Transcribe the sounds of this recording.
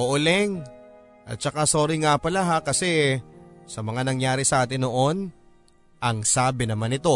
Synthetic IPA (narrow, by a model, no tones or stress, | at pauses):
ʔoʔʊlɛŋ | ʔɐ̰t̪̚t͡ʃɐkaso̞ːɾɪŋapɐlaɦakɐsɛ | sɐmɐŋanɐŋjaːɾɪsɐʔaːt̪ɪnoʔo̞n | ʔɐŋsaːbɪnɐmanɪt̪o̞